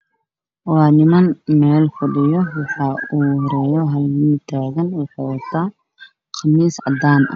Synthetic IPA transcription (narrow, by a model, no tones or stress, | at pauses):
wɑːnɪmɐnmɛːlkʰʊɖɪjɔwɑħɑːuːhɔɾɛːjɔɦɐlmɪnt̪ʰaːɣɐnwɑħɑːwɐt̪ʰaː | qʰɑmiːsʕɑ̰d̪aːnʔɐ̰